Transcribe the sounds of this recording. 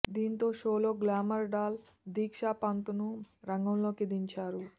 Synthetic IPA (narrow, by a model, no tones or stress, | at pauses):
d̪iːnt̪o̞ːʃoːloːɡlaːmɐɾɖaːl | d̪iːkʂaːpɐnt̪unuɾɐŋɡɐmlo̞ːkid̪iɲt͡ʃaːɾu